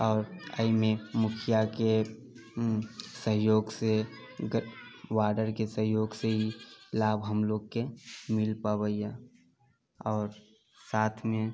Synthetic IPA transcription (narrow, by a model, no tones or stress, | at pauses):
ɔːɾəimẽmʊkʰijake | səɦjoːɡse | ɡʋaːɖəɾkesəɦjoːɡseɦilaːbɦəmloːɡ̚kemɪlpawəia | ɔːɾ | saːt̪ʰmẽ